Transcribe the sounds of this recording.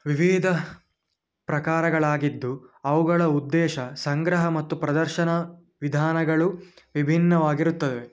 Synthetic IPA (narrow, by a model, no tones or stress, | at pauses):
ʋiʋid̪ʱɐ | pɾɐkaːɾɐɡɐɭaːɡid̪ːuɐʋuɡɐɭɐud̪ːɛːʃɐsɐŋɡɾɐɦɐmɐt̪ːupɾɐd̪ɐɾʃɐnɐ | ʋid̪ʱaːnɐɡɐɭu | ʋibʱinːɐʋaːɡiɾut̪ːɐd̪e